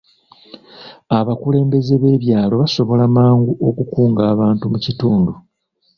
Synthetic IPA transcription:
aβakule̞ːmbe̞ze̞βe̞ːβjaːlo̞βaso̞βo̞lamaːŋɡuʔo̞kukuːŋɡaːβaːntumucituːndu

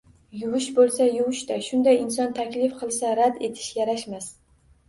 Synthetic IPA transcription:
jʊwʊʃbolˠsajʊwʊʃd̪aʃʊnd̪ajɪnsɒnt̪ʰakʲlɪfqʰɨlˠsaɾad̪e̞t̪ʰɪ̥ʃjaɾaʃmas

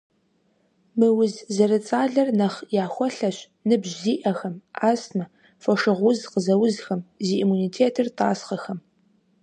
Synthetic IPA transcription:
mɨwʊzzɐɾɨt͡sʼaːɮɐrnɐχjaːxʷɔɬɐɕ | nɨbʑziːʔɐxɐmaːsmɨ | fɐʂɨʁʷʊzqəzɐwʊzxɐmziʔimuniːtʰeːtʰɨrta̰ːsχɐxɐm

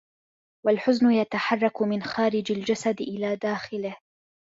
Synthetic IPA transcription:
walħʊznʊjat̪aħɑrˤːɑkmɪnxaːɾɪd͡ʒald͡ʒasad̪ʔɪlaːd̪aːxɪlɪh

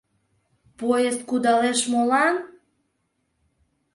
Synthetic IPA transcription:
pojest̪̚kud̪ɑleʃmolɑn

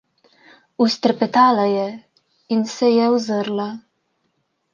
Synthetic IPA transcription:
ust̪əɾpɛt̪aːlajɛ | insɛjɛwzəɾla

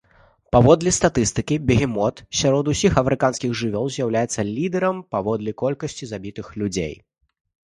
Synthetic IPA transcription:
pavɔd̪lʲist̪at̪ɨst̪ɨkʲibʲɛɦʲɛmɔt̪sʲaɾɔd̪usʲixɐmɛɾɨkanskʲiɣʐɨvʲɔlˠzʲjawlʲajɛt̪sːɐlʲid̪ɛɾɐmpavɔd̪lʲikɔlʲkɐsʲt͡sʲizabʲit̪ɨxlʲud͡zʲḛj

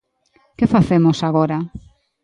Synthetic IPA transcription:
kefaθemosaɣɔɾa

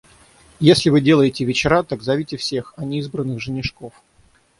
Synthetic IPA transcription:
jesʲlʲɪvɨdʲe̞lˠəjɪtʲɪvʲɪt͡ɕɪɾat̪aɡzɐvʲitʲɪfsʲe̞xɐnʲɪizbɾənːɨxʐɨnʲɪʂkof

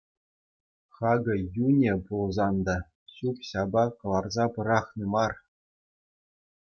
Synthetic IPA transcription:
χɑɡɤ̆junʲepulˠzɑnd̪ɑ | ɕupɕɑbɑkɤ̆lˠɑrzɑpɤ̆ɾɑχnɤmɑr

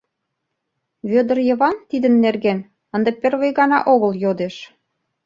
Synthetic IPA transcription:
βød̪ə̆rjɤ̆βɑnt̪id̪ə̆nːerɡen | ə̆nd̪ɤ̆pʲĕrβəjɣɑnɑ̰ʔoɣə̆ljod̪eʃ

